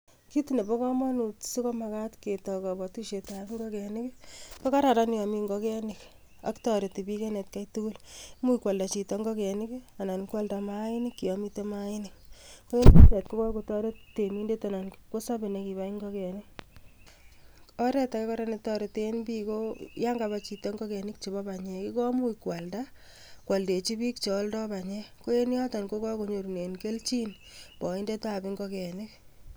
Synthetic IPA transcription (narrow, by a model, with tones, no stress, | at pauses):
ki˦ti˨ne˨pɔ˦kɔ˦mɔ˦nu˨tsi˦kɔ˦ma˨ka˦tke˨tɔ˨kɔ˨bɔ˨tu˦ʃe˨ta˨kŋɡɔ˦kɛ˨ni˦kpɔ˦ka˦ɾa˨ɾa˦n˦jɔ˨mi˧ŋɡɔkɛ˦ni˨k | a̰˨ktɔ˨ɾe˨te˨pi˦kɛ˦ne˨tkajtu˦ku˦lmu˦ikwa˨lda˨t͡ʃi˨tɔŋɡɔ˦kɛ˨nika˨na˨nkwa˦lda˨maini˦kːi˨jɔ˨mi˦te˦ma˦i˦nikko˦e˦nine˨tko˦kɔ˦ko˨tɔ˦ɾe˦tte˨mi˦nde˦ta˨na˨nko˦sa˦be˨ne˨ki˨ba˦iŋɡɔkɛ˨ni˦ | ɔ˦ɾɛ˦ta˨ke˦kɔ˦ɾa˦ne˦tɔ˦ɾe˨te˦npi˦ko˦ja˦ŋɡa˨bat͡ʃki˨tɔ˦ŋɡɔ˦kɛ˨nɪ˦kt͡ʃe˨bɔ˦ba˨ɲɛ˨ki˦kɔ˦mu˦ikwa˨lda˦ | kwa˨lde˨t͡ʃi˦bi˦kt͡ʃo˨˦ldɔ˦ba˨ɲɛ˦ko˦e˦ni˦ɔ˦ta˨nko˦kɔ˦ko˨ɲo˨ɾu˨ne˨nke˦lt͡ʃi˦n | bɔ˨i˦nde˦ta˨bi˦ŋɡɔ˦kɛ˨nɪ˦k